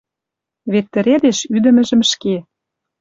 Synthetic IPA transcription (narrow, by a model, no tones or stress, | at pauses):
βet̪ːɘ̆ɾed̪eʃyd̪ə̆mɘ̆ʒə̆mʃke